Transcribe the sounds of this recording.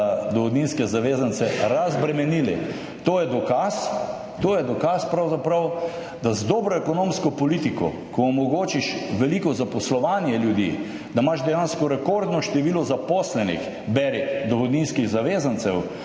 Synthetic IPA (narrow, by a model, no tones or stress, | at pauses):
d̪ɔɣɔd̪ninskɛzaʋeːzant̪sɛɾazbɾɛmɛnilḭ | t̪oːjɛd̪ɔkas | t̪oːjɛd̪ɔkaspɾawzapɾɐw | d̪azd̪ɔːbɾɔɛkɔnomskɔpɔlit̪ikɔ̰ | kɔːmɔɡoːt͡ʃiʃʋɛlikɔzapɔslɔʋaːnjɛljud̪ḭː | d̪amaʃd̪ɛjanskɔɾɛkoɾd̪nɔʃt̪ɛʋiːlɔzapɔslɛnḭx | bɛɾid̪ɔɣɔd̪ninskiɣzaʋeːzant̪sɛw